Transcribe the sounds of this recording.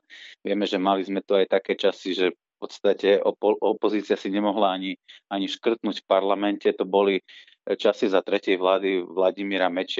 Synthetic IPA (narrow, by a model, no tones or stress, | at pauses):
ʋɪɛmɛʒɛmalizmɛt̪uajt̪akɛːt͡ʃasiʒɛ | pɔt̪st̪acɛɔɔpɔziːt͡sɪasiɲɛmɔɦlaaɲiaɲiʃkr̩t̪nuːcfpaɾlamɛncɛt̪ɔbɔli | t͡ʃasizat̪ɾɛcɪɛjʋlaːd̪iʋlaɟimiːɾamɛt͡ʃɪ